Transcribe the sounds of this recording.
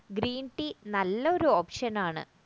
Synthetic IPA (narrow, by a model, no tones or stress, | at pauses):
ɡɾiːɳʈinɐlːɐo̞ɾuo̞ːpʂɐnaːɳɨ̰